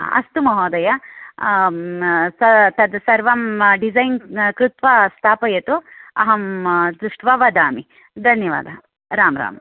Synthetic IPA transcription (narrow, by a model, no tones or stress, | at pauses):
ɐ̰st̪umɐɦɔːd̪ɐjɐ | sɐt̪ɐd̪sɐɾʋɐmɖizɐjnkɾut̪ʋɐst̪ʰaːpɐjɐt̪uɐ̰ɦɐmd̪uʂʈʋɐʋɐd̪aːmi | d̪ʱɐnjɐʋa̰ːd̪ʱɐ | ɾaːmɾa̰ːm